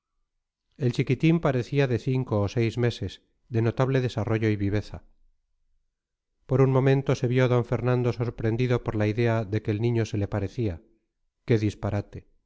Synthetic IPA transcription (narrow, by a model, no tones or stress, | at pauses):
e̞lt͡ʃikit̪impaɾe̞θiaðe̞θiŋkoːse̞jzme̞se̞z | ðe̞not̪aβle̞ðe̞saro̞ʝo̞iβiβ̞e̞θa | po̞ɾunmo̞mẽ̞nt̪o̞se̞βjo̞ðo̞ɱfe̞ɾnãnd̪o̞so̞ɾpɾe̞nd̪iðo̞poɾlaiðe̞aðekeːlnĩɲo̞se̞le̞paɾe̞θia | ke̞ðispaɾat̪e̞